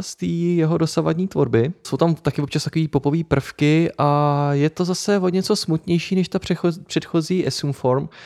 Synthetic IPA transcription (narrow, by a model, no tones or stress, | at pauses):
st̪iːjɛɦodo̞sava̰dɲiːt̪vo̞̰ɾbɪso̞wt̪amt̪akɪvop̚t͡ʃast̪akoviːpo̞po̞viːpr̩fkɪʔajɛt̪o̞zasɛvoɲɛt͡so̞smut̪ɲɛjʃiːnɛʃt̪apr̥ɛopr̥ɛt̪xo̞ziːʔɛsumfo̞ɾm